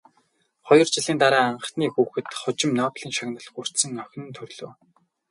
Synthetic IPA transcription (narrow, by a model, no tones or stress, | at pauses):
χɔjɞ̆r̥t͡ɕɪ̆ɮiːnt̪aɾaːaɴɢə̆χniːxuːxɘ̆t̪χʊt͡ɕɪ̆mnɔːpɮiːnʃaɣnə̆ɮxur̥t̪sɘ̆ŋœx̆ʲnɘ̆nt̪ʰɵrɮoː